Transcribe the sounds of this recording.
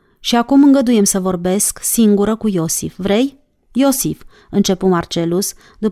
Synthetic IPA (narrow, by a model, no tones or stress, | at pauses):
ʃiakumɨŋɡəd̪uje̞msəvo̞rbe̞sksiŋɡuɾəkujo̞sḭfvɾe̞jː | o̞sif | ɨnt͡ʃe̞pumart͡ʃe̞lus | d̪up